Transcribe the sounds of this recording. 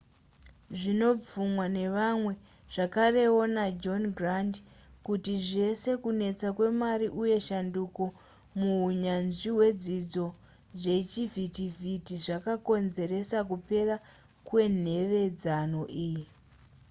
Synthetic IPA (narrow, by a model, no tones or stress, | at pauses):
ʐino̞p͡fumwane̞ʋamwe̞ | ʐ̥akare̞o̞nad͡ʒo̞nɡrand | kutiʐe̞se̞kune̞t͡sakwe̞maɾiʔuje̞ʃanduko | muuɲanʐiwe̞d͡zid͡zo̞ | ʐe̞t͡ʃivitivitiʐakako̞nze̞ɾe̞sakupe̞ra | kwe̞n̤e̞ʋe̞d͡zano̞ʔiːji